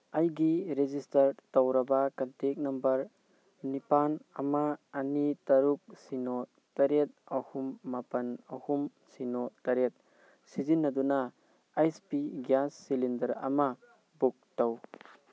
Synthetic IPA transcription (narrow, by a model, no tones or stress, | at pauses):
ɐjɡiɾed͡ʒistɐɾtawɾɐbakɐntek̚nɐmbɐɾ | nipanɐmaːnitɐɾuk̚sino | tɐɾet̚ɐhumːapɐnɐhum | sinotɐɾet̚ | sizinːɐdunaː | jspiɡjasːilindɐɾɐ̰ma | buk̚taw